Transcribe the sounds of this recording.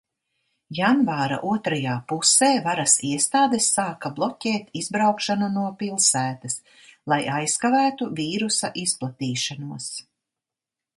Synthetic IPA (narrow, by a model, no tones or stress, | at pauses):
janvaːɾa̰ʔuɔt̪ɾajaːpuseːvaɾɐsiɛst̪aːd̪esːaːkablˠɔcʲɛːt̪izbɾawkʃananuɔpilˠsæːt̪ɐs | lˠajajskavæːt̪uviːɾusaʔisplˠat̪iːʃanuɔs